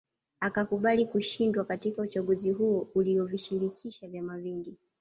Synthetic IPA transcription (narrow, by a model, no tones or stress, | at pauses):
akakuɓalikuʃindwakatikaut͡ʃaɠuziɦuɔuliɔviʃiɾikʰiʃavjamaviŋɡi